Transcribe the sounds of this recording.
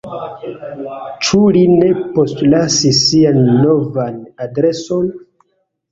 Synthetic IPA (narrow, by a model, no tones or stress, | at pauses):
t͡ʃuline̞po̞stlasisːianːo̞vanadɾe̞so̞n